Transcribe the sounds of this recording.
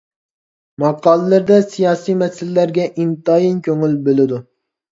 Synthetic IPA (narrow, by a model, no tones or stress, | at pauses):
mɑqːɑːlˠɨlɨɾd̪ɛsijɑːsijmɛsɪlːæɾɡʲɛʔint̪ɑjinkʲʰøŋylbelɪd̪u